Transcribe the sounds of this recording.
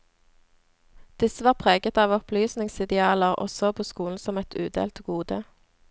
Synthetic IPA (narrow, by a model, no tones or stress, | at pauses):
d̪̥ɪsəʋɑːʁpʰʁeːɡət̪ɑːʋɔplyːsnɪŋsɪd̪ɛɑːləʁʔɔ̰sɔpʰoːskuːln̩sɔmɛt̪ʰʉːd̪ḛːlt̪ɡuːd̪ə